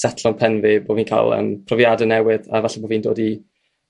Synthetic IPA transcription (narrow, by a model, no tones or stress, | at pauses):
satʰlɔnpʰɛnvɪboːviːnkʰa̰ːlˠə̰mpʰrɔvjaːdənɛwɨða̰vaɬɛboːviːndo̰ːdi